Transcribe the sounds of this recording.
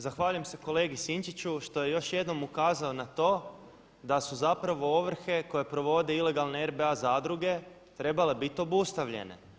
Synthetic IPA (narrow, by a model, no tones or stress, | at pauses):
zaxʋaːʎujemse̞ko̞le̞ːɡisint͡ʃit͡ɕuʃt̪o̞je̞jo̞ʃje̞d̪no̞mukaːzao̞nat̪o̞ː | d̪asuzapɾaʋo̞oʋr̩xe̞ko̞je̞pɾo̞ʋo̞d̪eile̞ɡalˠne̞eɾbeazaːd̪ɾuɡe̞ | t̪ɾe̞bale̞bit̪o̞bust̪aʋʎe̞̰ne̞̰